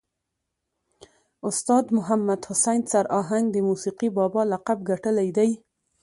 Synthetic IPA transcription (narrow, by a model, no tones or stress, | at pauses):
ʊst̪ɑd̪mʊɦamːad̪hʊsajnsaɾʔɑɦaŋɡd̪əmusiqibɑbɑlaqabɡaʈəlajd̪aj